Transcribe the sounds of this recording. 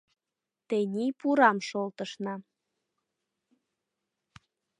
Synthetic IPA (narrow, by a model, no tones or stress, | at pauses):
t̪enʲipuɾɑmʃolt̪ə̆ʃnɑ